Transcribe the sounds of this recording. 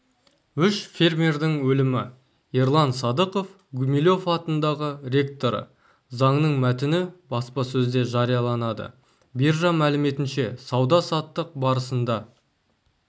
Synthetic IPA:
ʏʃfʲe̞rmʲerd̪ɪŋwɵlɪmɪ | iɾlˠɑnsɑd̪əqo̞f | ɡumilʲo̞fɑt̪ənd̪ɑʁəɾʲe̞k̚t̪o̞ɾə̰ | zɑɴnəɴmæt̪ɪnɪbɑspɑsɵzd̪e̞ʒɑɾijɑlˠɑnɑd̪ə̰ | birʒɑmælɪme̞t̪ɪnʃe̞sɑwd̪ɑsɑt̪ːəq̚bɑɾəsənd̪ɑ

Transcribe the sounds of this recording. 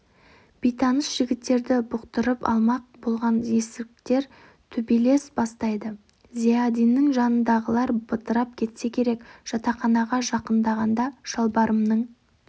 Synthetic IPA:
b̥ijt̪ɑnəsʒ̥ɪɡʲɪt̪ːe̞ɾd̪ɪbʊqt̪əɾəpɑ̰lˠmɑq̚bo̞lˠʁɑne̞sɪk̚t̪e̞ɾ | t̪ʰʏbile̞sbɑst̪ɑjd̪ə | ziad̪ijnːɪŋʒɑnənd̪ɑʁəlˠɑɾbət̪əɾɑp̚kʲʰe̞t̪se̞kʲʰe̞ɾe̞kʒ̥ɑt̪ɑχɑnɑʁɑʒɑqənd̪ɑʁɑnd̪ɑʃɑlˠbɑɾəmnəɴ

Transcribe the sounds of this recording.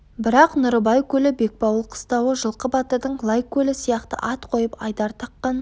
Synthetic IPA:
bɪɾɑqnʊɾəbɑjkʲʰɵlɪbe̞k̚pɑwlˠqʰə̥st̪ɑwəʒəlˠqəbɑt̪əɾd̪əɴlˠɑjkʲʰːɵlɪsijɑqt̪ə̰ʔɑt̪qʰo̞jəpɑjd̪ɑɾt̪ʰɑqːɑn

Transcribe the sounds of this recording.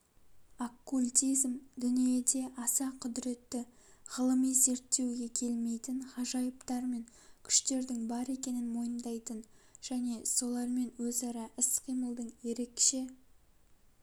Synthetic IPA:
okːulʲt̪ʲizmd̪ʏnije̞d̪e̞ʔɑsɑqʰʊd̪ɾe̞t̪ːɪʁəlˠəmize̞ɾt̪ːe̞wɡʲe̞kʲʰe̞lme̞jt̪ɪnχɑʒɑjəpt̪ɑɾme̞ŋ | kʲʰʏ̥ʃt̪e̞ɾd̪ɪŋbɑɾe̞kʲe̞nɪnmo̞jənd̪ɑjt̪ənʒ̥æne̞so̞lˠɑɾme̞nwɵzɑɾɑʔɪsqʰijməlˠd̪əɴje̞ɾe̞kʃe̞

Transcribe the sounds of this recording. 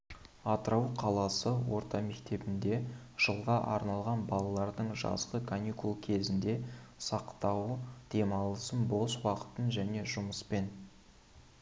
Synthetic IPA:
ɑt̪ɾɑwqʰɑlˠɑsəwo̞ɾt̪ɑme̞kt̪e̞bɪnd̪e̞ʒ̥əlˠʁɑʔɑɾnɑlˠʁɑnbɑlˠɑlˠɑɾd̪əɴʒɑ̰zʁəkʰanʲikulˠkʲʰe̞zɪnd̪e̞sɑqt̪ɑwd̪̥e̞mɑlˠəsənbo̞swɑqə̥t̪ənʒæne̞ʒʊməspe̞n

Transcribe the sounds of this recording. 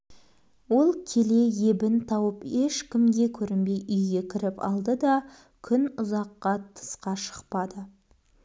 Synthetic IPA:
wo̞lˠkʲʰe̞le̞je̞bɪnt̪ʰɑwəpeʃkʲɪmd̪ʲe̞kʲʰɵɾɪnbe̞jʔʏjɡʲe̞kʲʰɪɾɪpɑ̰lˠd̪əd̪ɑ | kʲʰʏnʊzɑqːɑt̪ʰə̥sqɑʃə̥qpɑd̪ə

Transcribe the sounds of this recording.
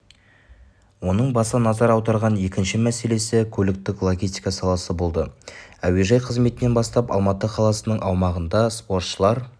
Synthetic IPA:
wo̞nəɴbɑsənɑzɑɾɑwd̪ɑɾʁɑne̞kʲɪnʃɪmæse̞le̞sɪkʲʰɵlɪk̚t̪ɪklˠoɡʲist̪ijkɑsɑlˠɑsəbo̞lˠd̪əæwe̞ʒɑjqʰəzme̞t̪ɪne̞nbɑst̪ɑpɑ̰lˠmɑt̪əqʰɑlˠɑsənəɴʔɑwmɑʁənd̪ɑspo̞ɾt̪ʃəlˠɑɾ

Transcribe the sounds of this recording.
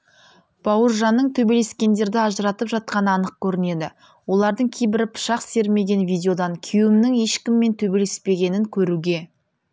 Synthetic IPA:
b̥ɑwəɾʒɑnːəɴt̪ʰɵbe̞le̞skʲe̞nd̪e̞ɾd̪ɪɑʒəɾɑt̪əpʒɑt̪̚qɑnəɑnəq̚kʲʰɵɾɪne̞d̪ɪ | wo̞lˠɑɾd̪əɴkʲʰe̞jbɪɾɪpʰʊ̥ʃɑqse̞ɾme̞ɡʲe̞nvijd̪ʲeo̞d̪ɑŋkʲʰijwɪmnɪŋe̞ʃkʲɪmːe̞nt̪ʰɵbe̞le̞spe̞ɡʲe̞nɪŋkʲʰɵɾuɡʲe̞

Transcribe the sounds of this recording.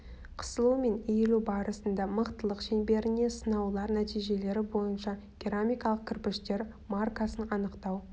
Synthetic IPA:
qʰə̥səlˠume̞nejlubɑɾəsənd̪ɑməqt̪əlˠəqʃenbe̞ɾɪne̞sənɑwlˠɑɾnæt̪ijʒe̞le̞ɾɪbo̞jənʃɑ | ɡ̥ʲeɾomʲijkɑlˠəq̚kʲʰɪɾpɪʃt̪e̞ɾ | markasənɑnəqt̪ɑw

